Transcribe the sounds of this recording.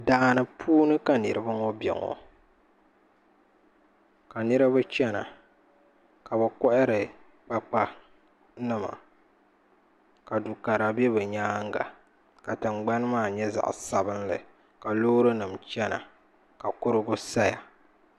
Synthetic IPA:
daː˨˦˨nɨ˨pʰuː˦nɨ˦ka˨nɨ̰˨ɾɨ˦ba˦ŋɔ˦bɛ̰˨ŋɔ̰˨ | ka˨nɨ˦ɾɨ˦bɨ˦t͡ʃɛ˦na̰˨ | ka˨bɨ˨kɔ˦ʔɪ˦ɾɨ˨ | k͡pa˦k͡pa˦ | nɨ˦ma̰˨ | ka˨du˨ka˨ɾa˨bɛ˦bɨ˨ɲaː˦ŋ˦ɡa̰˨ | ka˨tɨ˨ŋ͡mɡ͡ba˦n˦maː˦˨ɲɛ˦za̰˨ʔsa˦bɨ˦nlɨ̰˨ | ka˨loː˦ɾɨ˦nɨ˨mt͡ʃɛ˦na̰˨ | ka˨kʊ˦ɾɨ˦ɡʊ˦sa˦ja̰˨

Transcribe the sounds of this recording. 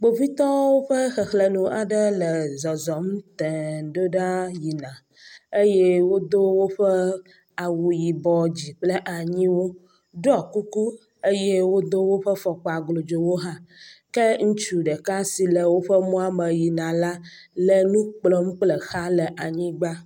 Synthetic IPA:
ɡ͡bo˨vi˦t̪ɔ˦wo˦ɸə˦xɛ˨xlə˨nũ˨ʔa˨ɖə˦lə˨zɔ˨zɔ˨mt̪ɛ˨ɖo˦ɖa˦ji˨nã˨ | e˦je˦wo˦d̪o˦wo˦ɸɛ˦ | a˨wu˨ji˨bɔ˨d͡ʑi˨k͡plə˦ʔa˨ɲĩ˦wo˦ | ɖɔ˨ku˦ku˦ | e˦je˦wo˦d̪o˦wo˦ɸə˦fɔ˨k͡pɔ˨a˨ɡlo˨d͡ʒo˨wo˦ɦã˦kɛ˦ŋũ˦t͡ʃu˨ɖə˨ka˦si˨lə˨wo˦ɸə˦mɔ̃˦a˦mə˨ji˨nã˨la˦ | lə˨nũ˦k͡plɔ˦m̩˦k͡plə˨xa˦lə˨ʔa˨ɲĩ˦ɡ͡ba˦

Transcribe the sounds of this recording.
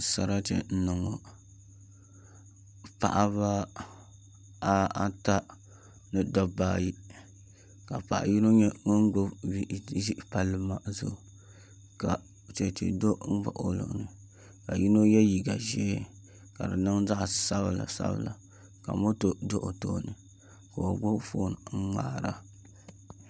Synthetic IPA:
sa˨ɾa˦t͡ʃɛ̰˨n̩˦nɨ˨ŋo˨ | pa̰˨ʔa˦βa˦ | a˦a˦ta˦ | nɨ˦dɔ˦baː˦˨ji˦ | ka˨pa˨ʔa̰˨ji˦no˦ɲɛ˦ŋo˦ŋ˦ɡo˦i˦˨˦ʒi˦ʔpa˦lːɨ˦ma˦zʊ˦˨ | ka˨ | t͡ʃe˨tḭ˨do˦ŋ̩˦ba̰˨ʔo˦lɨ̰˨ʔnɨ˨ | ka˨ji˦no˦jɛ˦ji˨ɡa˨ʒɛ˦ | ka˨dɨ˨nɨ˦ŋza˦ʔsa˦bla̰˨sa̰˦bɨ̰˦˨la˨ | ka̰˨mo˦to˨do˦ʔo˨to˦nɨ˨ | ko˨o˨ɡ͡bo˦foː˦nɨ˨ŋ̩˦ŋa̰ː˦˨ɾa˦

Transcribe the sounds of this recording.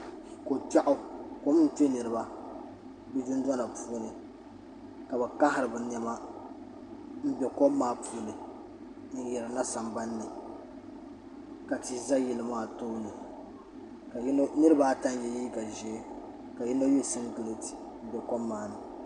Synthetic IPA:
ko˨ta˦ʔʊ˦ko˨m˦n̩˦te˦nɨ˨ɾɨ˦ba˨ | bɛ˦d͡ʒʊ˦n˦dɔ˦na˨pʰuː˦nɨ˨ | ka˨bɛ˨ka˦hɪ˨ɾɨ˨bɨ˨nɛ˨˦ma˦ | m̩˦bɛ˨ko˦mːaː˦pʰuː˦nɨ˨˦ | jɛ˨ɾɨ˨na˦sa˨mba˦nːɨ˨ | ka˨ti˦za˦jɛ˨lɨ˨maː˦˨toː˦nɨ˨ | ka˨˦nɨ˦ɾɨ˦baː˦ta˦n˦jɛ˨jiː˦ka˨ʒɛ˨˦ | ka˨ji˦no˦je˦sɨ˦n˦ɡɨ˨lɨ˦ti̥˨ | m̩˦bɛ˨ko˦mːaː˦nɨ˨

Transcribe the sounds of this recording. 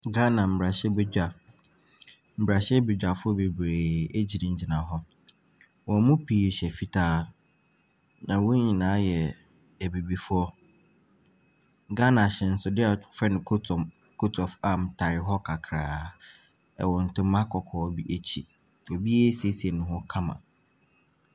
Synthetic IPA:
ɡa˦nã˨m̩˨bɾa˨ɕɛ˦be˨d͡ʑᶣa˨ | m̩˨bɾa˨ɕɛ˦be˨d͡ʒᶣa˨fʊ˦ɔ˦be˨bɾeː˨e˦d͡ʑi˨nɪ̃˨ɲ̩˦˨d͡ʑi˨nã˨ɦɔ˦ | wɔ̃˨˦mʊ̃˦pʰiː˨ɾɕɛ˨fi˦tʰaː˦ | nã˨wo˦ɲĩ˨nãː˨˦jɛ˨ | ɛ˨bi˨bi˨fʊ˦ɔ˦ | ɡa˦nã˨ɕɛ˨n̩˦sʊ˨dɪ˦a˨fɛ˦nʊ̃˨kʰt | kʰo˦tʰɔ˨fa˦mtʰa˨ɾɪ˨ɦɔ˦kʰa˨kʰɾaː˨ | ɛ̰˨wɔ̃˨n̩˨tʰʊ̃˦mã˦kʰɔ˨kʰɔː˨˦bi˦ʔe˦t͡ɕʰḭ˨ | o˨bi˦e˦si˨e˦si˨ɛ˨nʊ̃˨ɦʊ̃˦kʰã˦mã̰˨

